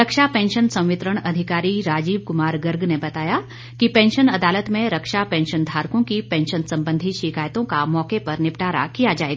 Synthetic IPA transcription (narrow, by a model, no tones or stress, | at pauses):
ɾɐkʃapɛ̃ːnʃənsɐ̃w̃ʋɪt̪ɾəɽ̃ɐd̪ʱɪkaːɾiɾaːd͡ʒiːb̚kʊmaːɾɡəɾɡnebɐt̪aːja | kipɛ̃ːnʃənɐd̪aːlət̪mẽɾɐkʃapɛ̃ːnʃənd̪ʱaːɾkõkipɛ̃ːnʃənsɐ̃mbə̃nd̪ʱiʃɪkaːjt̪õkamɔːkepɐɾnɪpʈaːɾa̰kijad͡ʒaːḛːɡaa